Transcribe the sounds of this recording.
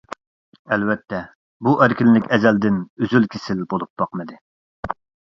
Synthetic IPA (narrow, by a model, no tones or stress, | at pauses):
ɛlwɛt̪ʰːɛ | buʔæɾkʲinlɪkʲʰɛzɛld̪ɪnøzylkʲʰɪsɪlbolˠup̚b̥ɑqmɨd̪ɨ